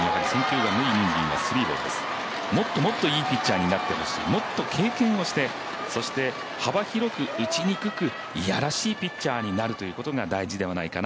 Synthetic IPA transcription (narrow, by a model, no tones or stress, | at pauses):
nakaɾʲisẽ̞ŋkʲɨːɡamɯ̟iɲĩŋɡʲḭ̃ŋ̃βa̰sɨɾʲiːbo̞̰ːd̪e̞̰sɨ̥ | mo̞t̪ːo̞mo̞t̪ːo̞iːpʲit͡ɕːaːɲ̟inat̪ːe̞ho̞ɕḭːmo̞t̪ːo̞kʰe̞ːkẽ̞ɰ̃o̞ɕi̥t̪e̞ | so̞ɕi̥t̪e̞ | habaçiɾo̞kɯ̟ɯ̟t͡ɕiɲ̟ikɯ̟kɯ̟ | ja̰ɾaɕiːpʲit͡ɕːaːɲ̟inaɾɯ̟t̪o̞jɯ̟ːkot̪oɡad̪aiʑid̪e̞βanaikan